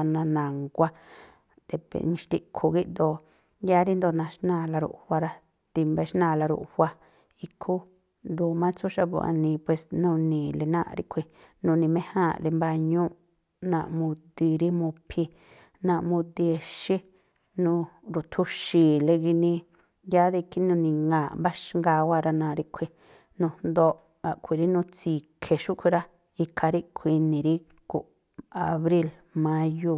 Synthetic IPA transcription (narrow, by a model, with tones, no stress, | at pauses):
a˧nã˧nã˨ŋɡʷa˦ | d̪e˧pḛ˨nĩ˧ʃt̪i˧kʰu˧ɣi˦ʔnd̪o˧ | ja˦ɾi˦nd̪o˧nã˧ʃnãː˦˧˨la˧ɾṵ˧˨ʔhʷa˧ɾa˧ | t̪i˧mbe˧˦ʃnã˧˨la˧ɾṵ˧˨ʔhʷa˦ | i˧kʰu˦ | nd̪u˧˨mã˦t͡su˦ʃa˧βṵ˧˨ʔa̰˧nĩ˧pwe˧snũ˦˧nĩ˨le˧nã̰˦ʔɾḭ˧kʷʰi˧ | nũ˧nĩ˧mẽ˦hã˦˨le˧mba˧ɲũ˦ | nã˧˨ʔmũ˧d̪i˧ɾi˦mũ˧pʰi˧ | nã˧ʔmũ˧d̪i˧e˧ʃi˦ | nũ˧ɾu˨t̪ʰu˧ʃi˨le˧ɣi˧nĩ˧ | ja˦ði˧ki˦nũ˧nĩ˧ŋɡãː˨mba˦ʃŋɡa˧wa˧ɾa˧nã˧˨˧ɾi˧kʰʷi˧ | nũ˧nd̪o˧ʔ | a˨kʷi˨ɾi˦nũ˧t͡si˧˨kʰe˨ʃu˦kʰʷi˧ɾa˦ | i˧kʰa˧ɾi˦kʷʰi˧nĩ˨ɾi˦ | ku˨ʔ | a˨˧βɾi˦l | mã˦ju˧